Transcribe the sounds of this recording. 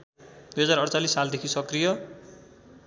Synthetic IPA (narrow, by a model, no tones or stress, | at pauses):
d̪̥ujɦʌd͡zaɾʌɽt͡salisːald̪ekʰisʌkrijʌ